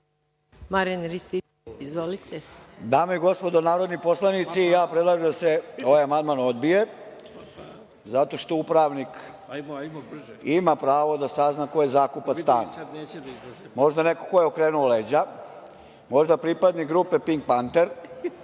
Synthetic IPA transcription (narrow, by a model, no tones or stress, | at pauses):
maɾinɾist̪i | izʋolit̪ed̪aːmeiɡo̞spo̞d̪onaːɾod̪nipo̞slˠanit̪sijaːpɾed̪lˠaʒed̪aseo̞ʋajamand̪mano̞d̪bije̞ | zat̪o̞ʃt̪o̞upɾaʋnik | imapɾaːʋo̞d̪asaznako̞jezakupat̪st̪a̰ːn | mo̞ʒd̪ane̞koko̞jeokɾeːnuoled͡ʑa | mo̞ʒd̪apɾipad̪nikɡɾuːpe̞piŋɡk̚pant̪eɾ